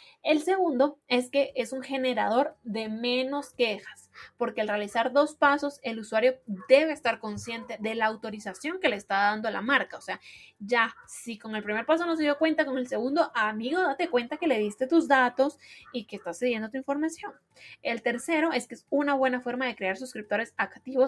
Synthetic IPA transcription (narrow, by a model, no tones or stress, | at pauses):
e̞lse̞ɣũnd̪o̞e̞ske̞ʔesuŋxe̞ne̞ɾað̞o̞ɾðe̞mẽ̞no̞ske̞xḁspo̞ɾke̞alrealisaɾðo̞spaso̞se̞luswaɾjo̞d̪e̞βeːst̪aɾko̞nsje̞nt̪e̞ðe̞laːwt̪o̞ɾisasjo̞ŋke̞leːst̪aðand̪oala̰maɾkaose̞ad͡ʒasiko̞ŋe̞lpɾimeɾpaso̞no̞s̬e̞ðjo̞kwe̞nt̪ako̞ŋe̞lse̞ɣund̪o̞ʔamiɣo̞ðat̪e̞kwe̞nt̪ake̞le̞ðist̪e̞t̪uzd̪at̪o̞sikeːst̪asːeðje̞nd̪ot̪̬uiɱfo̞ɾmasjo̞ŋ | e̞lt̪e̞ɾse̞ɾo̞e̞skeesunaβwe̞nafo̞ɾmaðe̞kɾeaɾsuskɾip̚t̪o̞ɾe̞sakt̪iβo̞